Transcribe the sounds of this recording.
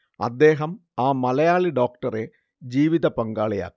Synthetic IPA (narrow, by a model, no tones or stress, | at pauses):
ɐ̰d̪ːe̞ːɦɐmaːmɐlɐjaːɭiɖo̞ːkʈɐre̞ | d͡ʑiːʋiðɐpɐŋɡaːɭija̰ːkː